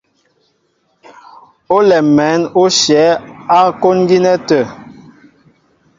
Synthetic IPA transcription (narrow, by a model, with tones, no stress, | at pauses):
o˦lɛ˨mɛ˨˦no˦ʃjɛ˨˦a˦ko˦nɡi˦nɛ˦tə˨